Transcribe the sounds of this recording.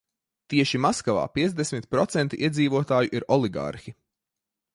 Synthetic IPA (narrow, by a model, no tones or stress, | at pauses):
t̪iɛʃimaskava̰ːpiɛzd̪esmit̪̚pɾɔt̪sɛnt̪iʔiɛd̪ziːvuɔt̪aːjuʔiɾɔlˠiɡa̰ɾxi